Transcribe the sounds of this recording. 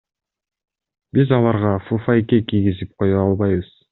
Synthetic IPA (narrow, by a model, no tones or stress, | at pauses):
bizɑlˠɑɾʁɑfufajkʲekijɡizip̚qʰo̞juɑlˠβɑjβɯz̥